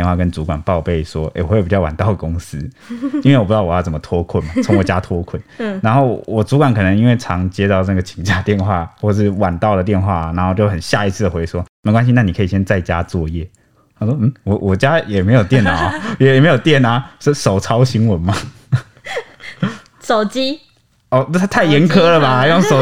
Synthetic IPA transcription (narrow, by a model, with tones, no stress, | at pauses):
ɛ˥˧nxwa˥˩kə˦nt͡su˧˥kwa˨˩npɑ˥˧ʊpe˥˩ɪʂwɔ˥ʔḛ˥˩ɪwɔ˨˧we˥˩pi˨˩t͡ɕɑ˥˩ʊwa˨˩nt̪ɑ˥˩ʊd̪ə˩kʊ˦˥ŋsɹ̩˦ | i˥nwe˥˩wɔ˨˩pːt̪ɑ˥˩wɑ˥˩t͡sə˩˦mə˦t̪ʰwɔ˥kʰwə˥˩nma˨˩t͡sʰʊ˧˦ŋwɔ˨˩t͡ɕja˥t̪ʰwɔ˥kʰə˥˩na˧˥nxo˥˩ʊwɔ˨˩t͡su˧˥kwa˨˩nkʰɤ˨nə˧ŋi˦˥nwe˥˩ɪʈ͡ʂʰɑ˧˥ŋt͡ɕjɛ˥t̪ɑ˥˧ʊnə˥˩ɡə˩t͡ɕʰi˨˩ŋt͡ɕa˥˧t̪jɛ˥˧nxwa˥˨xwɔ˥˧ə˧ʂ̬ɻ̩˥˩wa˨˩nt̪ɑ˥˩ʊd̪ə˩t̪̬jɛ˥˧nxwa˥˩na˧nxo˥˧t͡ɕjo˥˩ʊxə˨˩nɕja˥˧i˧˥t͡sʰɹ̩˥˩də˨˩xwe˧˥ɪʂwɔ˦me˧˥ɪkwa˦nɕ̬i˦na˥˩ni˨˩kʰɤ˧˥i˨˩ɕjɛ˥nt͡sa˥˩ɪt͡ɕja̰˦t͡swɔ˥˧jɛ˥˩ | a˥ʂwɔ˥m̩˥˩wɔ˨˦wʔɔ˨˩t͡ɕja˦jɛ˨˩me˧˥ɪjo˨˩ʊt̪jɛ˥˩na˨˩˦jɛ˨˩jɛ˨˩me˧˥ɪjo˨˩ʊt̪jɛ˥˨˩na˨˦sə˥sʂo˨˩ʊt͡sʰɑ˥ʊɕi˧˥ŋwə˧˦nma˨˧ | so˨˩ʊt͡ɕi˦ | ɔ˥˧˩t̪ʰa˥˩ɪjɛ˧˥nkʰɤ˦˥lə˨ba˨a˧˥jo˥˩ŋʂo˨ʊ